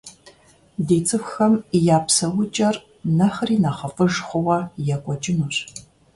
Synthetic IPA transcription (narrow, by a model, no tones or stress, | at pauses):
deːt͡sʼɨfxɐmijaːpsɐwʊt͡ʃʼɐr | nɐχriːnɐχɐfʼɨʒχʷʊwɐjɛkʷʼɔt͡ʃʼɪnur